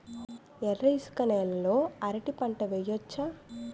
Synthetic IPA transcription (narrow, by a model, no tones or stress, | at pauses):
ɛrːɐjskɐnɛːlɐloːɐɾɐʈipɐɳʈɐʋejot͡ʃːa